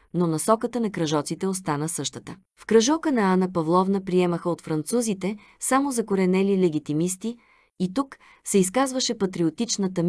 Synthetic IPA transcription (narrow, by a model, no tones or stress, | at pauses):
nonɐsɔkət̪ənɐkɾɐʒɔt̪sit̪ɛos̬t̪anəsɤʃt̪ət̪ə | fkɾɐʒɔkənɐanəpɐvlˠɔvnəpɾiɛməxəot̪fɾɐnt̪suzit̪ɛ | samozɐkoɾɛnɛlilɛɡʲit̪imist̪iː | t̪uk | sɛiskazvəʃɛpɐt̪ɾiot̪it͡ʃnət̪ɐm